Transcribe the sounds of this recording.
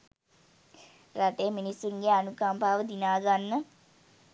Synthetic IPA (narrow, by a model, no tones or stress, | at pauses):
raʈ̪eːəminisːuŋɡeanukampaːʋəd̪inaːɡanːə